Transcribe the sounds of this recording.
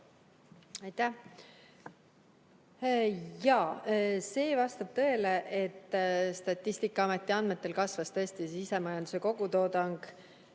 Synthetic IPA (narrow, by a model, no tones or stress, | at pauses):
ɑjt̪æh | jɑːse̞ːvɑst̪ɑb̥̚t̪ɤ̞ele̞ʔet̪ːst̪ɑt̪ːˑisʲt̪ikːˑɑɑme̞t̪ːˑiɑnme̞t̪ːˑe̞lkɑsvɑst̪ɤ̞sʲt̪isise̞mɑjɑnd̪̥u̥se̞ko̞ɡ̥ut̪o̞ːd̪ɑŋɡ̥